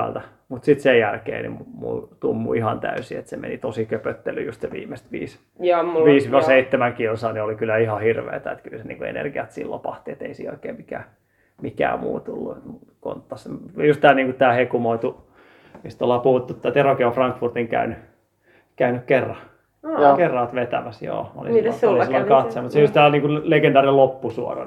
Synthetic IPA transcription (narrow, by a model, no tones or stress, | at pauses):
ælt̪æ | mut̪sit̪sejjælkḛːnḭmumṵt̪umːṵihɑnt̪æ̰ysiet̪semḛnit̪osikøpøt̪ːelːyjust̪seʋḭːmest̪ʋḭːs | jɑmʋiːsʋɑseit̪ːemæŋkiosɑniolikylæihɑhirʋḛːt̪æet̪kylsenḭːŋkuḛnḛrɡ̥iɑt̪sḭlːo̰pɑht̪iet̪eisḭːo̰ikeːmikæː | mikæ̰ːmṵːt̪ulːuet̪mu | ko̰nt̪ːɑsjust̪æːlniːŋkut̪æːhekumoit̪u | mist̪olːɑːpuhut̪ːut̪ːæt̪erokiofrɑŋkfurt̪iŋkæ̰yny | kæynykkerːɑ | kerːɑːt̪ʋet̪æ̰mæsjo̰ːo̰lḭsːɑkɑt̪semut̪seust̪æːniːŋkuleɡent̪ɑːrinelopːusuo̰rɑ̰